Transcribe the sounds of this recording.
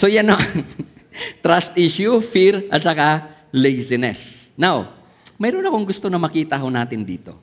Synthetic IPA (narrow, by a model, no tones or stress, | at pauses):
sojano | t̪ɾast̪ʔiʃjufiɾɐt̪̚t͡ʃaka | lɛjsɪnɛ̰snaw | mɛːɾonɐkoŋɡʊst̪onɐmɐkiːt̪ɐɦʊnaːt̪ɪnd̪ḭːt̪o̞̰